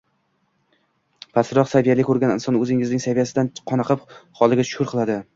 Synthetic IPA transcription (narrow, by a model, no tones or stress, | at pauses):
pʰasɾɒqsavijalɪkʰʲːɵɾɡʲanɪ̰nsɒnɵzɪŋɪznɪŋsavijasɪd̪anqʰɒnɑqʰɨpχɒlˠɪɡʲat͡ʃʊ̥ʊɾqʰɨlˠad̪ɪ